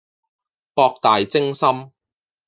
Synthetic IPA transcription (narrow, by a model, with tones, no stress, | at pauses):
pɔː˧k̚t̪aː˨jt͡sɪ˥ŋsɐ˥m